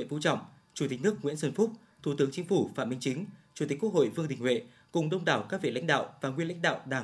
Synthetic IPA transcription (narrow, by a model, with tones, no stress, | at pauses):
ḭ˧˨nfṵ˧˥t͡ɕɔ̰˧˨wŋ͡mʔ | t͡ɕu˧˩t̪ï˨˩k̟̚nɨ˦˥ək̚ŋwḭ˧˥ənsə˧˩nfʊ˦˥p̚ | t̪ʰu˧˩t̪ɨ˨˦əŋt͡ɕï˨˦ŋ̟fu˧˩fa̰ː˧˨mï˧ŋt͡ɕï˨˦ŋ̟t͡ɕu˨˧˩t̪i̟˨˩kwək̚ho̰˧˨jvɨ˧əŋɗï˨˩ŋ̟hwḛ˧˨ | kʊ˨˩ŋ͡mɗə˧wŋ͡mɗaː˧˨˩wkaː˦˥k̚vḭ˧˨nla̰˧˥jŋ̟ɗa̰ː˧˨wvaː˨˩ŋwənla̰˧˥ŋ̟ɗa̰ː˧˨wɗaː˧˩